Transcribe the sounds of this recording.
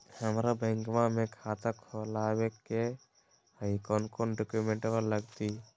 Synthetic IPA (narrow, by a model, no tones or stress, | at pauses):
həmɾabə̃ŋkmãmẽkʰat̪akʰolaweke | həikɔnkonɖokjumẽɳʈbəɾləɡt̪i